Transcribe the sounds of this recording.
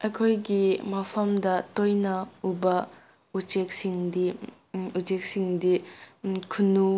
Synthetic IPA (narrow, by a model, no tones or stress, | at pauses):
ekʰojɡimɐpʰɐmdɐtojnɐubɐ | ut͡ʃek̚siŋdi | ut͡ʃek̚siŋdi | kʰunu